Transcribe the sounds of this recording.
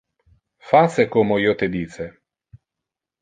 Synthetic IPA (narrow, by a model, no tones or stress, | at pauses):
fasekomoiːot̪ed̪iːt͡ʃe